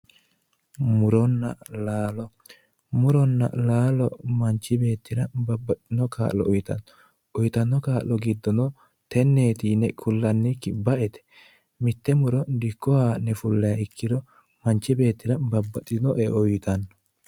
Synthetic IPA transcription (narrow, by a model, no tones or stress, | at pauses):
mʊɾɔnːɐ̰laːlɔ | mʊɾɔnːɐ̰laːlɔmɐnt͡ʃːɪbe̞ːt̪ːɪɾɐbɐbɐtɪnɔkʰa̰ːllɔ̰ʔɔjt̪ɐ̰nːɔ | ʊjt̪ɐnːɔkaːʔːɔɡɪd̪ːɔnɔ | t̪ɛnːeːt̪iːnɛkʰʊlːɐnːɪkːɪbɐʔɛt̪ɛ̥ | mɪt̪ːɛmʊɾɔd̪ɪkːɔhaːnɛfʊlːɛjɐɪkʰːɪd̪ɔ | mɐnt͡ʃːɪbe̞ːt̪ːɪɾɐbɐbːɐt̪ʼɪd̪ɔʔɛʔɔjt̪ɐnːɔ̥